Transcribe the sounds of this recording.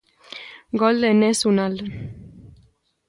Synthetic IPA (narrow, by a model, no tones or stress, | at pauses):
ɡold̪enesunal